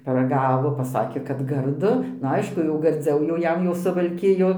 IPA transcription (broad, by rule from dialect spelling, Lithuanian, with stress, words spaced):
pɐrɐˈɡɑːʋoː pɐˈsɑːkʲeː kɐt ɡɐrˈdʊ nʊ ˈɐɪʃkʊ jɛʊ ɡɐrʲˈd͡zʲɛʊ jɛʊ ˈjɛm jɛʊ sʊʋɐlʲˈkʲɪjoː